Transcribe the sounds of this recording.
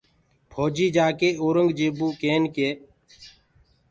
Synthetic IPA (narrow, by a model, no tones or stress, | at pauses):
pʰoːd͡ʒiːd͡ʒaːkeːoːɾəŋɡd͡ʒeːbuːkeːnkeː